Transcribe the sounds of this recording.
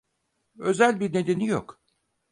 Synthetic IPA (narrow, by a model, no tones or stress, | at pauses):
ø̞zælʲbiɾne̞d̪e̞nijo̰k